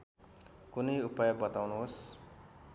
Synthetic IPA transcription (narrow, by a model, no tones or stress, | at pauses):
kunʌjupajʌbʌt̪awnuɦos